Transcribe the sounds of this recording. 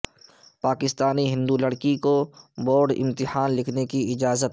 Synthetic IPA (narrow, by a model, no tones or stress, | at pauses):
paːkɪst̪aːniɦɪ̃nd̪ulɐɽkikoboːɾɖɪ̰̃mt̪ɪhaːnlɪkʰnekiɪd͡ʒaːzət̪